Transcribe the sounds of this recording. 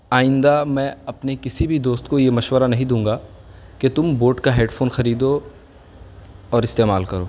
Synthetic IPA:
aːɪ̃nd̪amɛ̃ɐpnekɪsibʱid̪oːst̪kojemɐʃwəɾanɐɦĩd̪ũːŋɡa | ket̪ʊmboːʈkaɦeːɖfʰoːnxɐɾiːd̪o | ɔːɾɪst̪eːmaːlkɐɾoː

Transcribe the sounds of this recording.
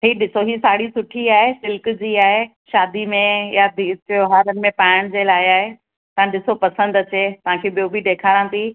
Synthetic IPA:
ɦiːɗɪsoɦisaːɽisʊʈʰiaːɦesɪlkd͡ʑiːaːɦe | ʃaːd̪imẽjad̪ʱikoɦaːɾənɪ̆mẽpaːɪɽ̃d͡ʑeːlaːɪaːɦe | t̪ɐãɗɪsopɐsə̃nd̪ɐt͡ɕeːt̪ɐʋ̤ãkʰeːbijobʱɪɖeːkʰaːɾãːt̪iː

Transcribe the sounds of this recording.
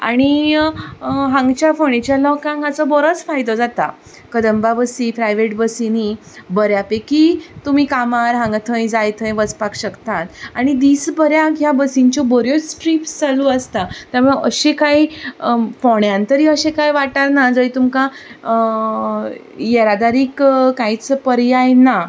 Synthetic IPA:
a̰ɽ̃i | ɦãŋɡt͡ɕjafoɽ̃it͡ɕjalɔkãŋɡat͡sɔbɔɾət͡sfajt̪ɔd͡zat̪a̰ | kəd̪əmbabəsipɾajʋeʈbəsini | bəɾjapekit̪um̤iːkamaɾɦãŋɡt̪ʰəjd͡zajt̪ʰə̃jʋət͡spakɕəkt̪at̪aɽ̃id̪iːsbəɾjakjabəsiɲt͡ɕɔbəɾjot͡spɾipsd͡zaluəst̪at̪jaməɭəɕekai | pɔɳjãnt̪əɾiːəɕekajʋaʈaɾnad͡zəit̪umka | jeɾad̪aɾiːkkajt͡spəɾjajna

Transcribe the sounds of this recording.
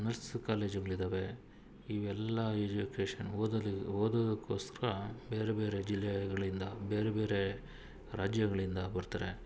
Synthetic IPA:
nɐɾskaːle̞ːd͡ʒiɡɐɭid̪ɐʋe̞ | iʋɛlːɐed͡ʒukeːʂɐnd̪oːd̪ɐd̪ɐkːoːsɐɾɐbeːɾebe̞ːɾe̞d͡ʒilːɛɡɐɭind̪ɐbeːɾebe̞ːɾe̞ | ɾaːd͡ʒjɐɡɐɭind̪ɐbɐɾt̪ɐːɾe

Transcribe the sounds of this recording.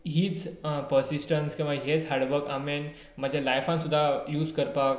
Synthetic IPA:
ɦit͡spəɾsisʈənskẽʋãɦet͡sɦaːɾɖʋəɾkamen | mãd͡ʑʱalajfãnsud̪ʱːajuːzkəɾpa

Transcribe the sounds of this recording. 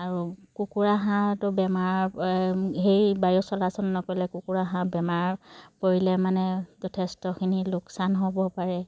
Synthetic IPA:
aɹukukuɹaɦãtʊbɛmaɹ | ɦejbajɔsɔlasɔnːɔkɔlɛkukuɹaɦãbɛmaɹpoɹilɛmanɛzɔtʰɛstɔkʰinilʊksanɦobɔpaɹɛ

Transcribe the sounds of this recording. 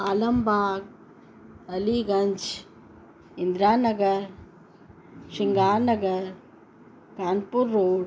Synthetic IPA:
aːlɐmbaːɡ̚ | ɐliɡɐɲd͡ʒ | ɪnd̪ɾaːnɐɡɐɾ | ʂiŋɡaːnɐɡɐɾ | kaːnpuɾːoːɽ

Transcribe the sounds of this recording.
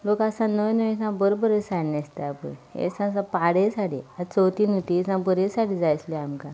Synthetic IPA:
lokasãnənəʋisãbəɾobəɾesaɽnəst̪aapə̰ḛsãs̬ãpaɽesaɽiat͡səwt̪iːnut̪isãbəɾesaʈid͡zajsleamka

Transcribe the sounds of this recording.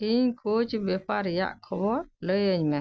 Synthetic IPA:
iɲkʰot͡ʃbɛpaɾja̰ʔkʰɔbɔɾləjəɲmɛ

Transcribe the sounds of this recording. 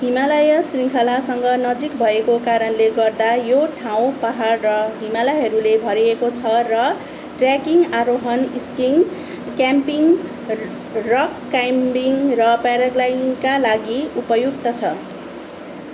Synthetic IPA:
ɦimalʌjʌsriŋkʰʌlasʌŋɡʌnʌd͡zikbʱʌekokaɾʌnleɡʌrd̪ajoʈʰaw̃paɦarrʌɦimalʌjɦʌɾulebʱʌɾiekot͡sʰʌrʌ | ʈrjakiŋaɾoɦʌniskiŋ | kjampiŋ | rʌkːajmbiŋrʌpaɾʌɡlajinkalaɡiupʌjukt̪ʌt͡sʰʌ

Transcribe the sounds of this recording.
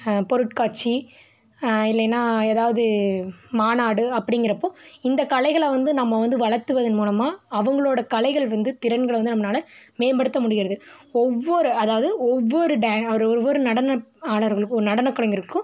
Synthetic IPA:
pɔɾɯʈ̚kaːʈt͡ʃːi | ɪlːɐnːaːeːðaːʋɐðɯmaːnaːɽɯɐpːɐɽɪŋɡɪɾɐpːoːɪnd̪ɐkɐlɐɪɣɐɭʋɐnd̪ɯnɐmːɐʋɐnd̪ɯʋɐɭɐɾt̪ːɯʋɐðɯnmuːlɐmaːɐʋɐŋɡɐɭoːɽɐkɐlɐɪɣɐɭʋɐnd̪ɯt̪ɪɾɐnɡɐɭʋɐnd̪ɯnɐmːɐnaːlɐmeːbɐɽɯt̪ːɐmʊɽɪɣɪɾɐðɯɔʋːɔɾɯɐðaːʋɐðɯɔʋːɔɾɯɖaːɔɾɔʋɔɾɯnɐɽɐnɐaːlɐɾɣɐɭɯkːɔɾɯnɐɽɐnɐkːɐɭɐŋɡɪɾɯkːɯ̃

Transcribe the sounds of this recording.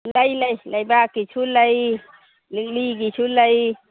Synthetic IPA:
ləjləiləibakit͡ʃʰuləi | lliɡit͡ʃʰuləi

